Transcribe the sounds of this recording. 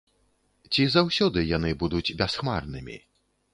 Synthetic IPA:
t͡sʲizawsʲɔd̪ɨjanɨbud̪ud͡zʲbʲasxmarnɨmʲḭ

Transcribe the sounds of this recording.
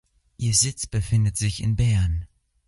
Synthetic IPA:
ʔiːɐzɪt͡sb̥əfɪndətz̥ɪçɪnbɛɐn

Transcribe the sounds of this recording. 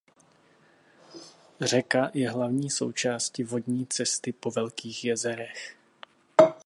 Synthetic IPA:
r̝ɛkajɛɦlavɲiːso̞̰wt͡ʃaːscɪvo̞dɲiːt͡sɛst̪ɪpo̞vɛlkiːxjɛzɛɾɛx

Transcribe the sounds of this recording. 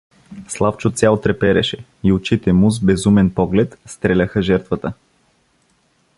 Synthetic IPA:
slˠaft͡ʃot̪sʲjalˠt̪ɾɛpɛɾɛ̰ʃɛ | iʊt͡ʃit̪ɛmuzbɛzumɛnpɔɡlɛt̪st̪ɾɛlʲaxəʒɛɾt̪vət̪ə

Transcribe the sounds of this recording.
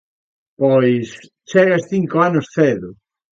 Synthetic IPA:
pɔjs | t͡ʃɛɣɐsθiŋkoanʊsθeðʊ

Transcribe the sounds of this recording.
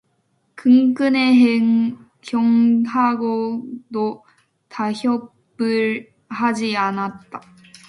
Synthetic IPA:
kɯŋk͈ɯneɦeŋ | kjʌŋaɡodo | taçjʌp͈ | ɯɾ | had͡ʑianat̚t͈a

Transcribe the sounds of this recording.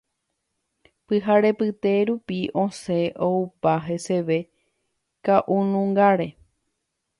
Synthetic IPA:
pɨɦaɾe̞pɨt̪e̞ɾupiʔõse̞ʔoupaɦe̞se̞ʋe̞ | kaʔunũŋɡaɾe̞

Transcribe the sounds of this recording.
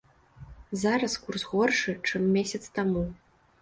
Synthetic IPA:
zaɾɐskursɣɔrʂɨt͡ʂɨmːʲesʲɐt̪st̪amu

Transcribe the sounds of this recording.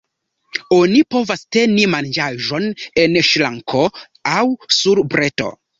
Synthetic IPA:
o̞nipo̞vaste̞nimand͡ʒaʒo̞ne̞nʃlaŋkʰo̞ | awsuɾbɾe̞to̞̰

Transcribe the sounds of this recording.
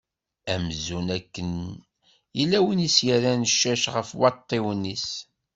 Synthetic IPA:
æmzunækːən | jəlːæwənisjæɾænəʃːæʃʁəfwɑt̪ˤːewənːis

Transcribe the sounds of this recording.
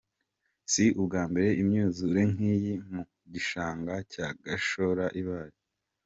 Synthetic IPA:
siʔubɡaːmbe̞ɾe̞imɲuːzuɾe̞ŋ̥iːjimu | ɟiʃaːŋɡacaɡaʃo̞ɾaʔiβaːɾi

